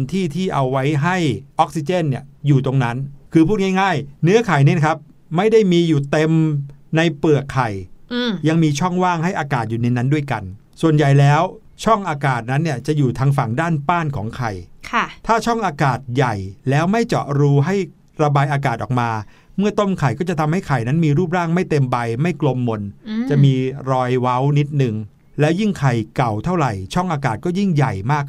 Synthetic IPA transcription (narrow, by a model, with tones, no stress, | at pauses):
nt̪ʰiː˥˩t̪ʰiː˥˩ʔa˧wːa˦˥jɦa˥˩jʔɔ˦˥k̚si˧t͡ɕe˥˩nːi˥˩əjuː˨˩t̪o˧ŋna˦˥nkʰɯː˧pʰuː˥˩ŋa˥˩jŋaː˥˩jnɯ˦˥ɐkʰa˨˩jniː˦˥˩na˧kʰa˦˥p̚ | ma˥˩jda˥˩jmiː˧juː˨˩t̪e˧mna˧jpɯ˨˩əkʰːa˨˩jja˧ŋmiː˧t͡ɕʰɔ˥˩ŋwaː˥˩ŋɦa˥˩jʔaː˧kaː˨˩t̪̚juː˨˩na˧jna˦˥ndu˥˩əjka̰˧n | su˨˩ənja˨˩jlɛː˦˥w | t͡ɕʰɔ˥˩ŋʔaː˧kaː˨˩t̪̚na˦˥nːi˥˩ɐt͡ɕa˨˩ʔjuː˨˩t̪ʰaː˧ŋfa˨˩ŋdaː˥˩npaː˥˩nkʰɔ̰ː˩˦ŋkʰa˨˩jkʰa˥˩t̪ʰaː˥˩t͡ɕʰɔ˥˩ŋʔaː˧kaː˨˩t̪̚ja˨˩jlɛː˦˥wma˥˩jt͡ɕɔ̰˨˩ʔɾuː˧˥ɦa˥˩j | ɾa˧baː˧jʔaː˧k̬aː˨˩t̪ʔɔː˨˩k̚maː˧ | mɯ˥˩ɐt̪o˥˩mkʰa˨˩jkɔː˥˩t͡ɕa˨˩t̪ʰa˧mha˥˩jkʰa˨˩jna˦˥nmiː˧ɾuː˥˩p̚ɾaː˥˩ŋma˥˩jt̪e˧mba˧jma˥˩jklo˧mːo˧nt͡ɕa˨˩ʔmiː˧ɾɔː˧jwa˦˥wni˦˥t̪̚nɯ˨˩ŋ | lɛː˦˥wji˥˩ŋkʰa˨˩jka˨˩wt̪ʰa˥˩wɾa˨˩jt͡ɕʰɔ˥˩ŋʔaː˧kaː˨˩t̪̚kɔː˥˩ji˥˩ŋja˨˩jmaː˥˩k̚